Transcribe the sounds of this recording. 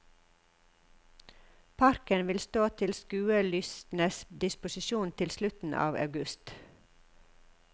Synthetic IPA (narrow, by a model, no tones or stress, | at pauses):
pʰɑɾkənʋɪlst̪oːt̪ʰɪlskʉːəlʏst̪n̩əsd̪ɪspʊsɪʃuːnt̪ʰɪlslʉt̪n̩ʔɑ̰ːʋɑ̰ʉɡʉst̪